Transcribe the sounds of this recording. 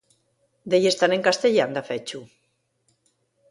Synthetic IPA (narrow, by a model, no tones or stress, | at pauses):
d̪ejest̪aneŋkast̪eʎand̪afɛt͡ʃu